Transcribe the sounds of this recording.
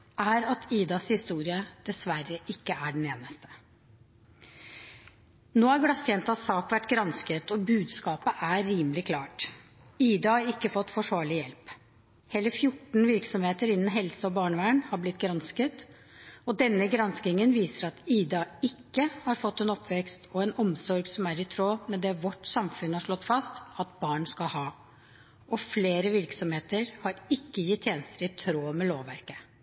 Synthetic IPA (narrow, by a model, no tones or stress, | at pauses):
ʔæɾɑt̪ʰiːd̪ɑshɪst̪uːɾɪəd̪̥ɛsʋæɾəʔɪkːəæɖn̩eːnəst̪ə̥ | noːæɾɡɽɑsɛnt̪ɑt̪sɑːkʋæʈːɡɾɑnskət̪ɔbʉːd̪skɑːpəʔæːiːməlɪkʰlɑːʈ | iːd̪ɑhɑɾɪkːəfɔt̪ːfɔʂʋɑːɭɪjɛlp | hɛləɾfjʊʈːɳn̩ʋɪɾksɔmheːt̪əɾɪnn̩ɦɛlsəɔbɑːɳəʋæːəɳhɑblɪt̪ːɡɾɑnskət̪ | ɔd̪ɛnːəɡɾɑnskɪŋənʋiːsəɾɑt̪iːd̪ɑɪkːəhɑɾfɔt̪ːɛnɔpːʋɛkst̪ʰɔɛnɔmsɔɾɡsɔmæɾɪt̪ʰɾoːmɛd̪ɛːʋɔʈːsɑmfʉnhɑʂɭɔt̪ːfɑst̪ɑt̪̚bɑːɳskɑlhɑː | ʔɔfleːɾəʋɪɾksɔmheːt̪əɾhɑɾɪkːəjɪt̪ʰːjeːnəst̪əɾɪt̪ʰɾoːmɛloːʋæɾkə̥